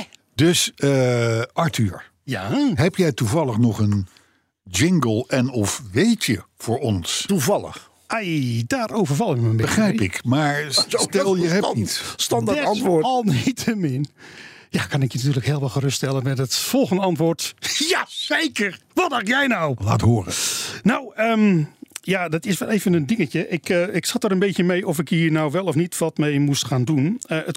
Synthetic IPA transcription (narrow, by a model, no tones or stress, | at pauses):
dɵs | ɑɹtyːɹ | jaɦɛpjɛjtuvɑlˠəχnɔχən | d͡ʒɪŋɡəlˠɛnɔfʋejtjəv̥ʊːɹɔnstuvɑlˠə̰χ | ʔajdaːrowvəɹvɑlˠɪkməəmbɪəχrɛjpɪkmaːɹstɛlˠjəɦɛnistɑndaɑntʋʊɔlˠnitʰəmɪnjakʰɑnɪkjənatyːləkheːlˠʋɛlˠxərʏststɛlˠənmɛtətfɔlˠxəndəɑntʋoːtjasejkərʋɔtdajɛjnawla̰ːtɦoːrə̰nawəmjadɔtɪsʋɛlˠeːvənəndɪŋətəʔɪkəɪksatəɾənbetjəmejʔɔfɪkiːɹnawʋɛlˠɔfnitʋɔtmejmustxaːndunəʔət